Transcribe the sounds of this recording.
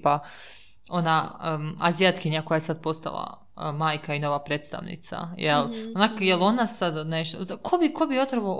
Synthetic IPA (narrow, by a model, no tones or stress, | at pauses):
pa | o̞naazijat̪kiɲako̞jajesad̪̚po̞st̪a̰lˠa̰ | maːjkaino̞ʋapɾeːt̪st̪a̰ʋnḭt̪sa̰jelonakjelo̞nasad̪neʃt̪o̰akʰobikʰobiot̪ɾaʋo